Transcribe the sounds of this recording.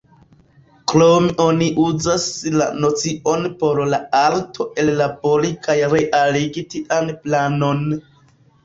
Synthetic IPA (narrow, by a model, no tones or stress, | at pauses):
klomiʔo̞niʔuzasla̰no̞t͡siʔo̞npo̞ɾlaaɾtʰo̞ʔe̞lːabo̞ɾikajɾe̞ʔaliɡitiʔanplano̞n